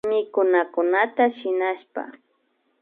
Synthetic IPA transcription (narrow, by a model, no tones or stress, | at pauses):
mɪkʊnakʊnat̪aʃɪnaʃpa̰